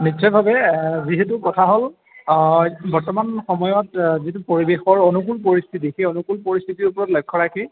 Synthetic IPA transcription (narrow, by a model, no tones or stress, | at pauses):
nit͡ʃsɔjbʱabɛziɦetukɔtʰaɦol | bɔɹtɔmanxɔmɔjɔtzitupoɹibexɔɹonuk̬ulpoɹist̪ʰit̬ixeonukulpoɹist̪ʰitiɹupɔɹɔtlɔjkʰːɔɹakʰi